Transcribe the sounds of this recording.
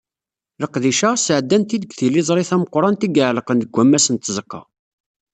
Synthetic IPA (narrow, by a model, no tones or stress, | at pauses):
ləqðiʃæsəʕəd̪ːænt̪id̪əɡθilizˤɾˤiθæməqɾˤɑnt̪iɡəʕləqənd̪əɡʷːæmːæsənt̪zəqːɑ̰